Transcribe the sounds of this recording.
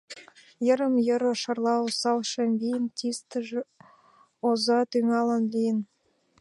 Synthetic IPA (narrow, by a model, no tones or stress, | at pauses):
jɤ̆ɾəmjɤ̆ɾə̆ʃɑrlˠɑwsɑwʃemvʲijənt̪ʲist̪əʒ | ozɑt̪yŋɑlɑnlʲijən